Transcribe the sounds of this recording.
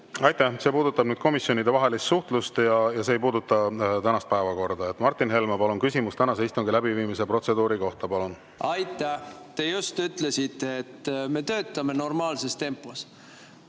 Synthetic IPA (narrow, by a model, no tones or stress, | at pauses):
ɑjt̪ːˑæhse̞ːpuːd̪ut̪ːˑɑb̥nyːd̪̥̚ko̞misjo̞nid̪e̞vɑɦe̞list̪suht̪lust̪jɑjɑse̞ːjpuːd̪ut̪ːˑɑt̪ænɑst̪̚pæevɑko̞rd̪̥ɑet̪ːmɑrt̪ːˑinɦe̞lmɑpɑlunkysimust̪ænɑseist̪uŋɡilæbiviːmis̬epro̞t̪se̞d̪uːɾiko̞ht̪ɑpɑlun | ɑjt̪ːˑæt̪ejust̪yt̪lesit̪ːˑet̪ːme̞t̪øːt̪ːˑɑme̞no̞rmɑːlse̞st̪e̞mpːos